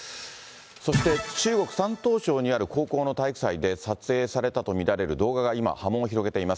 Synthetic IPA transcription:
so̞ɕi̥t̪e̞t͡ɕɨːɡo̞kɯ̟̥sãnt̪o̞ːɕo̞ːɲ̟iaɾɯ̟ko̞ːko̞ːno̞t̪aikɯ̟said̪e̞sat͡sɨe̞ːsaɾe̞t̪at̪o̞mʲiɾaɾe̞ɾɯ̟d̪o̞ːɡaɡaima̰hamõ̞ːoçiɾo̞ɡe̞t̪e̞imas

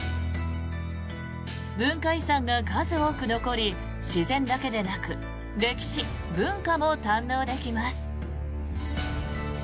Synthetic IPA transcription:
bɯ̟̃ŋkaisãŋɡaɡazɨo̞ːkɯ̟no̞ko̞ɾʲi | ɕizẽ̞nd̪ake̞d̪e̞nakɯ̟ | ɾe̞kʲi̥ɕi | bɯ̟̃ŋkamo̞t̪ãnːo̞ːd̪e̞kʲimasɨ̥

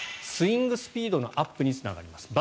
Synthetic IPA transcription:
sɨĩŋɡɯ̟sɨ̥pʲiːd̪o̞no̞̰ʔapːɯ̟ɲ̟it͡sɨna̰ɡa̰ɾʲimasɨ̥b

